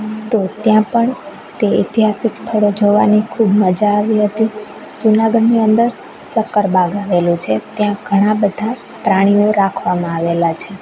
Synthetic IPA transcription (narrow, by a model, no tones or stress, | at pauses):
t̪ot̪jãpəɳ | t̪eit̪iɦasikst̪ʰəɭod͡ʒoʋa̰nikʰubməd͡ʒaːʋiɦət̪i | d͡ʒunaɡəɖniənd̪əɾ | t͡ʃəkːəɾbʱaɡaʋelũt͡ʃʰet̪jãɡ̥ʱəɽ̃abəd̪ʱa | pɾaɽ̃ioɾakʰʋamãaʋelat͡ʃʰe